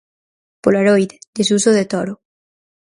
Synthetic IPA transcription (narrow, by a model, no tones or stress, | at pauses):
polaɾojðd̪esusoðet̪oɾo